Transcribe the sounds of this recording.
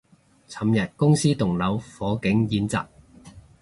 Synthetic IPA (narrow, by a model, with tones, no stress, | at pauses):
t͡sʰɐ˨mjɐ˨t̚kʊ˥ŋsiː˥t̪ʊ˨˩ŋlɐ˨˧wfɔː˨˥kɪ˨˥ŋjiː˨˧nt͡sa̰ː˨k̚